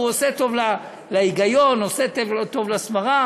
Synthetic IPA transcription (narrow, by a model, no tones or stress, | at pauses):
uoset̪o̞vla | laiɡajonoset̪et̪o̞vlasmaʁa